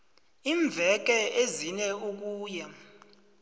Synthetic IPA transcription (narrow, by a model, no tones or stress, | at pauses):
iːɱb̪vʱɛk̬ɛezinɛuk̬uːjɛ